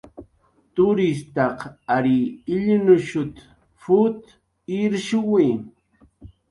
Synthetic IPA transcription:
t̪ʊɾist̪ɑqaɾiːʎnʊʃʊt̪ | fʊt̪ | iɾʃʊwi

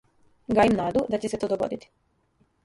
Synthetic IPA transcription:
ɡajimnaːd̪ud̪at͡ɕeset̪od̪oɡo̰d̪it̪i̥

